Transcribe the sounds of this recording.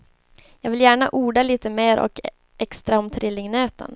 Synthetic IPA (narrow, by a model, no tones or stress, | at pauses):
jɑːɡvɪljæːɳaʔuːɖaliːt̪əmeːɾʔɔ̰k | ʔɛkst̪ɾaɔmt̪ʰɾɪlːɪŋnøːt̪ə̰n